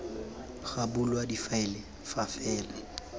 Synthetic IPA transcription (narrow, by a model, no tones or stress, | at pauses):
χabulwadifaɪlɪ | fafɛːla